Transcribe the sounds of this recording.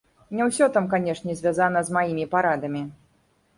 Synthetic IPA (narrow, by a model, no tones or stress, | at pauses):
nʲɛwsʲɔt̪amkanʲɛʂnʲɛzʲvʲazanɐzmajimʲipaɾad̪ɐmʲi